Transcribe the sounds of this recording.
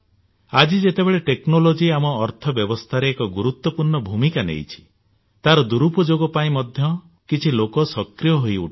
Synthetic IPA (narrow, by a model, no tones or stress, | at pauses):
ad͡ʒid͡ʒet̪ebeɭeʈeknolod͡ʒiamɔːɾt̪ʰɔbjɔbɔst̪ʰaɾeːkɔɡuɾut̪wɔpuɾɳɔbʱumikanḛjt͡ʃʰi̥ | t̪aɾɔd̪uɾupɔd͡ʒoɡɔpaĩmɔd̪ʱjɔ | kit͡ʃʰilokɔsɔkɾijɔɦojṵʈ